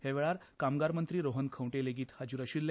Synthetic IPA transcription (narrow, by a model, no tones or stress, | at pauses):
heʋɛɭaɾkamɡaɾmənt̪ɾiːɾoɦənkʰə̃wʈeleɡiːt̪had͡ʑuɾəɕiːllː